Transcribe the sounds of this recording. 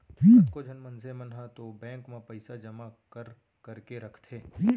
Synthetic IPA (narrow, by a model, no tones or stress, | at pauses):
iːkod͡ʒʱɐnmɐnsemənɦãt̪obɛ̃ːŋkmẽpɐɪsad͡ʒɐmakəɾ | kɐɾkeɾɐkʰt̪ɦeːi